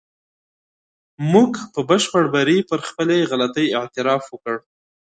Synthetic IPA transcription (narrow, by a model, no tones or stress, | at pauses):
muɡpəbəʃpəɽbaɾipəɾxpəleɣalat̪əjɪʕt̪ɪɾɑfwəkəɽ